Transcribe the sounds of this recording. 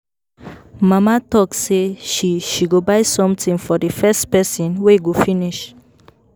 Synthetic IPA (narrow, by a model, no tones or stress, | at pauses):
mamatɔkseʃiʃiɡobaɪsɔ̃mtĩŋfɔdəfɛstpɛsĩnweɡofĩniʃ